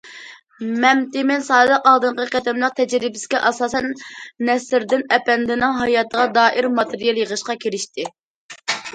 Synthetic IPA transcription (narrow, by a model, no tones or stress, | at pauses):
mɛmt̪ɪmɪnsɑːd̪əqɑlˠd̪ɨɴqəqɛd̪ɛmlˠəq̚t̪ʰɛd͡ʒɾɪbɪ̥sɪ̥kʲɛʔɑsɑːsɛnːɛsɾd̪ɪnɛpɛnd̪ɪnɪŋɦɑjɑːt̪ʰəʁɑd̪ɑːʔiɾmɑt̪ʰeɾijɛlˠjəʁəʃqɑkʲʰeɾɪʃt̪ʰɪ